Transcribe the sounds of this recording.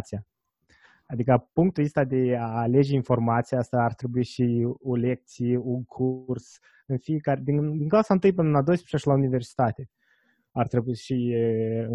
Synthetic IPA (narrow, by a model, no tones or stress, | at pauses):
t̪sija | ad̪ikəpuŋk̚t̪uist̪ad̪e̞aːle̞d͡ʒeinfo̞rmat̪sijaast̪aːrt̪ɾe̞buiʃiole̞k̚t̪sijeuŋkʰurs | ɨnfijekaɾed̪ind̪iŋklausaɨnt̪ɨjpɨnənlad̪oəspɾet͡ʃaʃilaunive̞rsi̥t̪at̪e̞ | art̪ɾe̞buiʃiɨ